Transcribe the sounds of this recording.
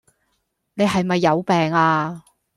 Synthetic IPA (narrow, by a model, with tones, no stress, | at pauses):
ne˨˧jɦɐ˨jmɐ˨jːɐ˨˧wpɛː˨ŋaː˧